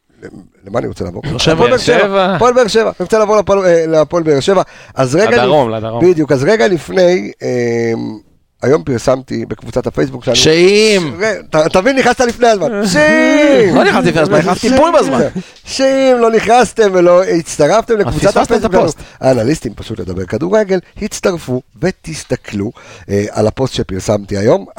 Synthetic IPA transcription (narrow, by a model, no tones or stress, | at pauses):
e | lemaːnḭʁot͡sḛla̰voavolbeʁʃevavpolbeːʁʃevaniʁot͡selaːvo̞ʁleoleapolbeːʁʃe̞vaʔazʁeɡabid̪jukazʁe̞ɡalifne̞jem | ajo̞mpiʁsamt̪ibe̞kvut͡sat̪afejsbukʃannʃeimʁet̪at̪avinːiχast̪alifne̞jazmanʃeimloniat̪ifnezat̪ipulbazmaa | ʃeimlo̞niχnast̪e̞mvelo̞it͡st̪aʁaft̪emlevut͡sat̪hafejs̬bukʃansuha̰ːnalist̪impaʃut̪le̞d̪abe̞ʁkad̪uʁeɡe̞lhit͡st̪aʁfuve̞t̪ist̪akʰluʔa̰lapo̞st̪ʃepiʁsamt̪iajo̞m